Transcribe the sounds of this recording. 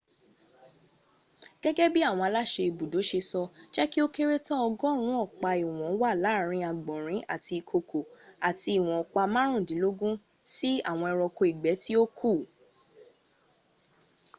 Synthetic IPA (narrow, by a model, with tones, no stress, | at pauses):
ɡ̥ɛ˦ɡɛ˦bi˦a˦˨w̃ɔ̃˧a˧la˦˨ʃe˧i˨bu˨do˨˦ʃe˧sɔ˧d͡ʒɛ˦ki˦o˦ke˦ɾe˦tɔ˦ɔ˧ɡɔ˦˨ɾ̃ũ˦ɔ˦˨k͡pa˧i˨w̃ɔ̃˨˦wa˦˨la˨˦˨ɾ̃ĩ˧˦a˨ɡ͡bɔ̃˨ɾ̃ĩ˨˦ʔa̰˦˨ti˧˨kʰo˧kʰo˨a˨ti˧˦i˨w̃ɔ̃˨ɔ˨˦k͡pa˧mã˦ɾ̃ũ˦˨dĩ˨˦lo˦ɡũ˦ | si˦a̰˦˨w̃ɔ̃˧ɛ˧ɾɔ˧ko˧i˨ɡ͡bɛ˨˦ti˦o˦kʰu˦˨